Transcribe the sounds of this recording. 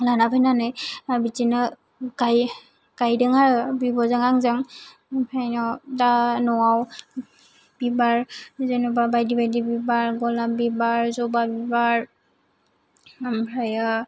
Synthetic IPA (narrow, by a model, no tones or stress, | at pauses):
lanapʰajnanajabitina | kaj | kajdɯŋaɹbibɔzaŋaŋzaŋ | pʰajnɔtanɔwaw | bibaɹzenubabajdibajdibibaɹɡɔlabibaɹzɔbabibaɹ | bʰʱɹajɯ